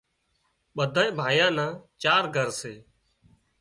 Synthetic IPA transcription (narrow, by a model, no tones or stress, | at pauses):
ɓəd̪ʱaːẽːbʱaːjãːnãːt͡ʃaːɾɡʱəɾseː